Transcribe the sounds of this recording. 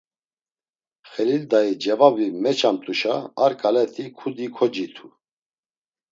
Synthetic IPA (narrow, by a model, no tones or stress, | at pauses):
χɛlild̪aid͡ʒɛvavimɛt͡ʃʰant̪ʼuʃaːɾkʼalɛt̪ʰikʰud̪ikʰɔd͡ʒit̪ʰu